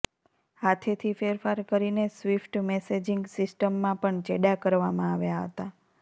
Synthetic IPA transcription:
ɦat̪ʰet̪ʰifeɾfaɾkəɾinesʋifʈmesed͡ʒiŋɡsisʈəmːãpəɳt͡ʃeɖakəɾʋamãaʋjaɦət̪a

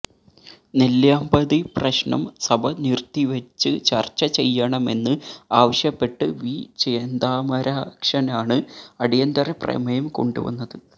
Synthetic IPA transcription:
neljaːmbɐðiprɐɕɳɐ̰msɐbʱɐnirt̪ːiʋɐt͡ɕːɨt͡ɕɐ̰rt͡ɕːɐt͡ɕe̞jːɐɳɐme̞nːɨaːʋɐɕjɐpːe̞ʈːɨʋit͡ɕeːnd̪aːmɐɾaːkʂɐnaːɳɨɐɽijɐnd̪ɐreprḛmɐjɐmko̞̰ɳɖuʋɐ̰nːɐðɨ

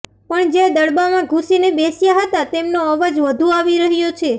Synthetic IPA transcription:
pəɳd͡ʒed̪əɽbamãɡʱusinebesjaɦət̪at̪emnoəʋəd͡ʒʋəd̪ʱuaʋiɾəɦjot͡ʃʰe

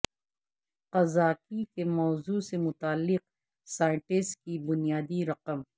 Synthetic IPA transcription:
qɐzaːkikemɔːzusemʊt̪aːlːɪq̚ | saːɪ̃ɳʈɪsʈkibʊnijaːd̪iɾɐqəm

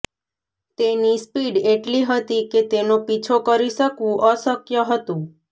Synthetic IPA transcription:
t̪enispiɖeʈliɦət̪iket̪enopit͡ʃʰokəɾiʃəkʋũʔəsəkjəɦət̪ũ

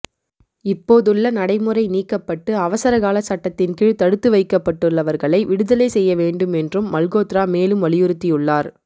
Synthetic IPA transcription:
ɪpːoːðɯɭːɐnɐɽɐɪmɯrɐɪniːkːɐpːɐʈːɯɐʋɐsɐɾɐɣaːlɐsɐʈːɐt̪ːɪnkɪɻt̪ɐɽɯt̪ːɯʋɐɪkːɐpːɐʈːɯɭːɐʋɐɾɣɐɭɐɪʋɪɽɯðɐleːsɛjːɐʋeːɳɖɯmɛndrɯmːɐlɣoːt̪ɾaːmeːlɯmʋɐlɪjɯɾɯt̪ːijɯɭːaːɾ

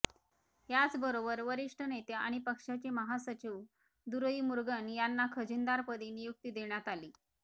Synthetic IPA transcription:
jat͡sbəɾobəɾʋəɾiʂʈʰənet̪ea̰ɽ̃ipəkʂat͡ɕeməɦasət͡ɕiw | d̪uɾəiːmuɾɡənjanːakʰəd͡ʑund̪aɾpəd̪iːnijuk̚t̪id̪eɳjat̪aliː

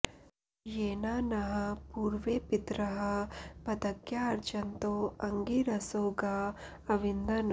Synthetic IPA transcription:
jeːnaːnɐɦɐ̆puːɾʋeːpit̪ɾɐɦɐpɐd̪ɐkjaːɐɾt͡ʃɐnt̪oːɐŋɡiːɾɐsoːɡaː | ɐʋind̪ɐn

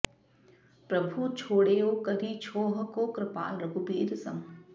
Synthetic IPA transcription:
pɾɐbʱut͡ʃʰoːɽeːoːkɐɾiːt͡ʃʰoːɦɐkoːkɾɪpa̰ːlɾɐɡupiːɾsɐ̰m

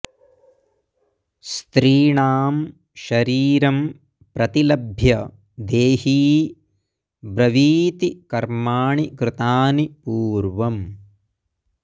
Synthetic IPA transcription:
st̪ɾiːɳaːm | ʃɐɾiːɾɐm | pɾɐt̪ilɐbʱjɐ | d̪eːhiː | bɾɐʋiːt̪ikɐɾmaːɳikɾɪt̪aːnipuːɾʋɐm

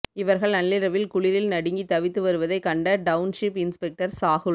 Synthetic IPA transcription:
ɪʋɐɾɣɐɭnɐɭːɪɾɐʋɪlkʊɭɪɾɪlnɐɽɪŋɡit̪ːɐʋɪt̪ːɯʋɐɾɯʋɐðɐɪkɐɳɖɐɖɐʊnʂɪpɪnspɛk̚ʈɐɾsaːɣɯ

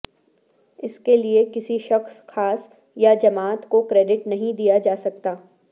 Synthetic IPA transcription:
ɪskeliekɪsiʃɐxsxaːs | jad͡ʒɐmaːt̪kokɾeːɖɪʈnɐɦĩd̪ijad͡ʒaːsɐkt̪aː

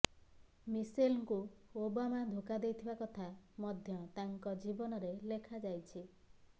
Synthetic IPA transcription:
misilkuobamad̪ʱokad̪ejt̪ʰibakɔt̪ʰamɔd̪ʱjɔt̪aŋkɔd͡ʒibɔnɔɾelekʰad͡ʒajt͡ʃʰi

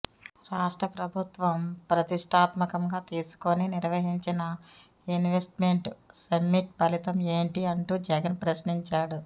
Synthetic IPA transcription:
ɾaːʂʈɾɐpɾɐbʱut̪ʋɐmpɾɐt̪iʂʈʰaːt̪mɐkɐŋɡaːt̪iːsu̥koniniɾʋɐɦiɲt͡ʃinɐ | inʋesʈmeɳʈsɐmːiʈ̚pɐlit̪ɐme̞ːɳʈiɐɳʈuːd͡ʒɛɡɐnpɾɐsniɲt͡ʃaːɽu

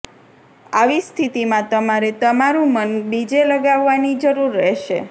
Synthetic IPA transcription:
aʋist̪ʰit̪imãt̪əmaɾet̪əmaɾũmənbid͡ʒeləɡaʋːanid͡ʒəɾuɾːɛɦʃḛ

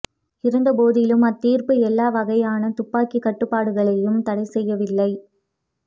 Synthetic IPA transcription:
ɪɾɯnd̪ɐpoːðɪlɯmɐt̪ːiːɾpɯɛlːaːʋɐɣɐjaːnɐt̪ʊpːaːkikːɐʈːɯpːaːɽɯɣɐɭɐjɯmt̪ɐɽɐɪsɛjːɐʋɪlːɐɪ

